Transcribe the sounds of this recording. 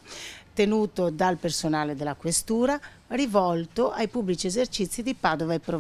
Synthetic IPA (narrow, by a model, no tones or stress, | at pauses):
t̪enuːt̪od̪alpersonaːled̪elːakwest̪uːɾa | rivɔlt̪oʔajpubːlit͡ʃiezert͡ʃit̪sːid̪ipaːd̪ovaepːɾo